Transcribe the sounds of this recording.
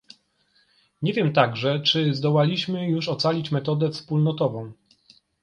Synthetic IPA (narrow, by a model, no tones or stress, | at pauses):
ɲevʲjɛmt̪aɡʐɛt͡ʂɘzd̪ɔwalʲiɕmɘjuʂɔt̪salʲit͡ɕmɛt̪ɔd̪ɛfspulnɔt̪ɔvɔ̃w̃